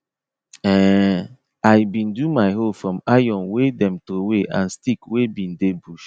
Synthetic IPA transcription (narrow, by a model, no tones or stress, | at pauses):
ɛ | aɪbĩndumaɪɦofɹɔ̃majɔ̃nwedɛ̃mtoweʔã̰nstikwebĩndebuʃ